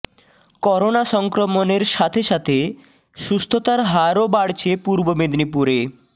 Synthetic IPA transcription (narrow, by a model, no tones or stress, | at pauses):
kɔɾonaʃɔŋkɾomoneɾʃat̪ʰeʃat̪ʰe | ʃust̪ʰot̪aɾɦaɾobaɽt͡ɕʰepuɾbomed̪nipuɾe